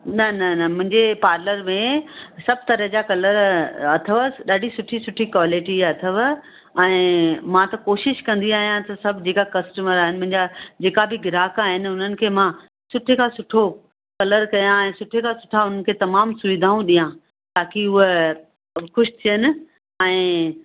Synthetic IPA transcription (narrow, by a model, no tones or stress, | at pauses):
nɐnɐnɐmʊ̃ɦɪ̃ɲd͡ʑepaːɾləɾmẽsɐb̚ʱt̪ɐɾəɦd͡ʑakɐləɾɐt̪ʰəʋəɗaːɖʱisʊʈʰisʊʈʰikʋaːlɪʈiɐt̪ʰəʋ | ɛ̃ːmãt̪ɐkoːʃɪʃkɐ̃nd̪iaːɦijãt̪ɐsɐbʱd͡ʑeːkakɐsʈəməɾaːɦɪnɪ̆mʊ̃ɦɪ̃ɲd͡ʑad͡ʑeːkabɪɡɪɾaːkaːɦɪnʊn̤ənɪ̆kʰeːmã | sʊʈʰekʰãsʊʈʰo | kɐləɾkɐjãɛ̃ːsʊʈʰekʰãsʊ̥ʈʰaʊn̤ən̆kʰeːt̪ɐmaːmsʊʋɪd̪ʱaːũɗijã | t̪aːkiʊɦe | xʊʃt̪ʰijənɪ̆ | ɛ̃ː